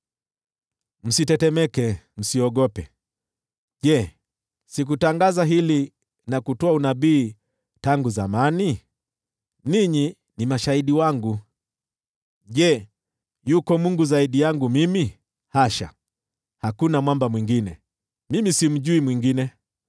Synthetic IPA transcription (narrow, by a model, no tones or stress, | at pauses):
m̩sitɛtɛmɛkɛm̩siɔɠɔpɛ | ʄɛ | sik̬utaŋɡazaɦili | nakutɔaunaɓiː | taŋɡuzamani | niɲi | nimaʃaiɗiwaŋɡu | ʄɛ | jukɔmuŋɡuzaiɗijaŋɡumimi | haʃa̰ | hakunamwambamwiŋɡinɛ̰ | mimisim̩ʄuimwiŋɡinɛ